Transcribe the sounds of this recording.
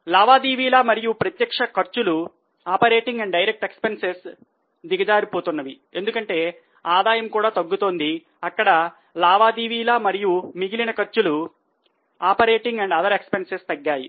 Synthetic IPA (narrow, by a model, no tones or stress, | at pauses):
laːʋaːd̪iːʋiːlaːmɐɾijupɾɐt̪jɐkʂɐkɐɾt͡ʃulu | aːpɐɾe̞ːʈiŋɡɐɳɖɖɐjɾek̚ʈe̞kspenses | d̪iɡɐd͡ʒaːɾipo̞ːt̪unːɐʋi | e̞nd̪ukɐɳʈe̞ː | aːd̪aːjɐmkuːɽaːt̪ɐɡːut̪o̞ːnd̪i | ɐkːɐɽɐ | laːʋaːd̪iːʋiːlaːmɐɾijumiɡilinɐkɐɾt͡ʃulu | aːpɐɾe̞ːʈiŋɡɐɳɖɐd̪ɐɾe̞kspensest̪ɐɡːaːjḭ